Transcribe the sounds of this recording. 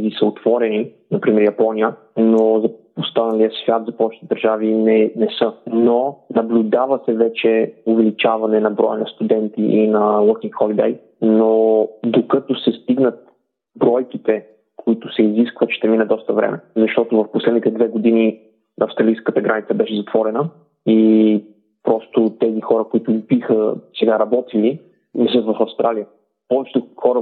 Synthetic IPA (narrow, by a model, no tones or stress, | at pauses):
ɡisəot̪v̥ɔɾɛni | nɐpɾimɛɾjɐpɔnijə | nozɐ | ost̪anɐlijəsvʲjat̪zɐpɔvɛt͡ʃ̪t̪ɛd̪əɾʒavinɛnɛsənonɐblʲʊd̪avɐsɛvɛt͡ʃɛʊvɛlit͡ʃavɐnɛnɐbɾɔjənɐst̪ud̪ɛnt̪iʔinɐlˠək̪nixɔlid̪ɛj | nod̪okət̪osɛst̪iɡnət̪̚ | bɾɔjkit̪ɛ | kʰoit̪ʊsɛiziskvət̪ʃt̪ɛminɛd̪ɔst̪əvɾɛ̰mɛzɐʃt̪ɔt̪ʊvɐfposlɛd̪nit̪ɛd̪vɛɡod̪ini | ɐfst̪ɾɐlijskət̪əɡɾanit̪səbɛʃɛzɐt̪vɔɾɛnə | i | pɾɔst̪ʊt̪ɛzixɔɾəkʊit̪ʊibixəsɛɡaɾɐbɔt̪ili | nɛsət̪vɐfɐfst̪ɾalijə | pɔvɛt͡ʃɛ̥t̪ɛxɔɾə